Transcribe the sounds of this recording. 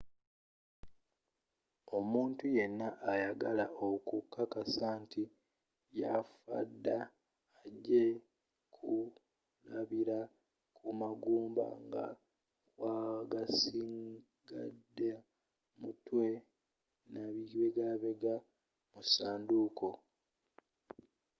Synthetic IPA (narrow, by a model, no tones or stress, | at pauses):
o̞muːntuje̞nːaʔːjaɡalaʔokukːakasaːntʰi | jafa̰dːaː | ɟe̞ | kʰu | laβiɾa | kʰumaɡuːmba̰ŋɡa̰ | kwaɡasiŋ | ɡa̰dːe | mutwe̞ | naβiβeɡaβe̞ɡa | musaːndukʰo̞